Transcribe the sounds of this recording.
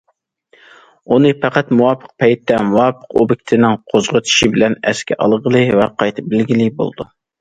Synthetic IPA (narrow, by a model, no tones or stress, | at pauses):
unɨpæqæt̪muwɑpʰə̥q̚pʰɛjt̪ːɛmuwɑːpʰə̥qo̰bɪkʲt̪ʰɪnɪŋqʰozʁət̪ʰi̥ʃibɪlɛnɛ̰skʲʰɛʔɑ̰lˠʁəlˠɨvɛqʰɑjt̪ʰɨp̚bɪlɡʲilɪbo̰lˠd̪u